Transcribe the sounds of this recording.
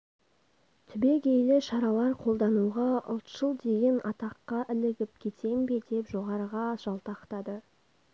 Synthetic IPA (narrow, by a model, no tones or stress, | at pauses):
t̪ʰʏbe̞ɡʲejlɪʃɑɾɑlˠɑɾqʰo̞lˠd̪ɑnuʁɑo̰lˠt̪ʒ̥əlˠd̪e̞ɡʲenɑt̪ɑqːɑʔɪlɪɡʲɪp̚kʲʰe̞t̪ʰe̞mbe̞d̪e̞pʒoʁɑɾəʁɑʒ̥ɑlˠt̪ɑqt̪ɑd̪ə